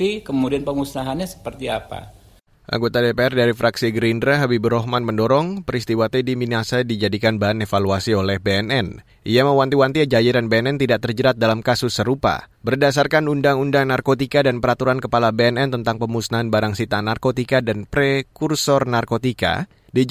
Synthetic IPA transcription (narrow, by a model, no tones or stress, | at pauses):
ikəmudianpəŋusaɦanɲasə̥pərt̪iapa̰ | ʔa̰ŋɡot̪adepeɛrdaɾifɾaksiɡɾindɾaɦabibɾɔɦmanməndɔɾɔŋpəɾist̪iwat̪ediminasadid͡ʒadikanbaɦanefaluasiolɛhbeɛnɛn | ʔijaməwant̪iwant̪iad͡ʒajiɾanbeɛnɛnt̪idaʔt̪ərd͡ʒəɾat̪̚dalamkasʊsːəɾupa̰bərdasarkanundaŋundaŋnarkot̪ikadanpəɾat̪uɾankəpalabeɛnɛnt̪ənt̪aŋpəmusnaɦanbaɾaŋsit̪anarkot̪ikadanpɾekursɔrnarkot̪ika̰ | di